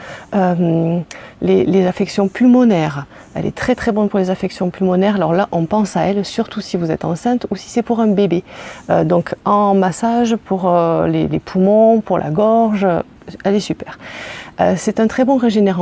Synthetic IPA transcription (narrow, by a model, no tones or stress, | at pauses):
øm | lelezafɛksjɔ̃pylmɔnɛʁ | ɛ̰lʔɛ̰t̪χɛt̪χɛbɔnpuʁlezafɛksjɔ̃pylmɔnɛʁalɔʁlaʔɔ̃pɑ̃saɛlsyʁt̪ʰusivuzɛt̪ɑ̰̃sɛ̃t̪usi̥sɛpuʁɛ̃bebeød̪ɔ̃kʰɑ̃masaʒpʰuʁølḛlepʰumɔ̃puʁlʔa̰ɡɔʁʒø | ɛlɛsypɛːʁø̰sɛt̪ɛ̃t̪χɛbɔ̃ʁeʒeneʁɑ̃